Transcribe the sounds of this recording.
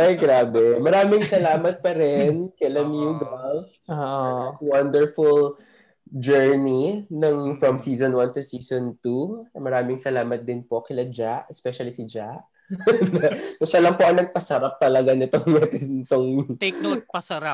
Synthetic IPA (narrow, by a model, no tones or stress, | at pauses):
ʔɐjɡɾaːbɛmɐɾaːmɪŋsɐlaːmɐt̪̚pɐɾɛnkɛlɐmjuɡɐlf | owɐnd̪ɛɹfʊl | d͡ʒɛɹninɐŋfɹɐmsiːzonwɐnt̪ʊsiːsont̪umɐɾaːmɪŋsɐlaːmɐt̪̚d̪ɪnpo̞kɪlɐd͡ʒaʔɛspɛʃɐlisɪd͡ʒaʔ | nɐkʊʃɐlɐŋpoʔɐŋnɐɡ̚pɐsɐɾap̚t̪ɐlɐɡanɪt̪o̞ŋnɐt̪ɪsnɪt̪oŋt̪knopɐsɐɾa